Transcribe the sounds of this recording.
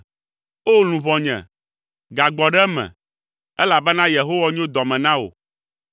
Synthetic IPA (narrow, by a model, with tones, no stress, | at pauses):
o˦lũ˨vɔ˨ɲɛ̰̃˨ | ɡa˨ɡ͡bɔ˨ɖɛ˦mɛ̰̃˨ | ɛ˦la˨bɛ˦nã˦je˨ɦo˦wa˦ɲ˦o˦d̪ɔ˨mɛ̃˨nã˦wo̰˨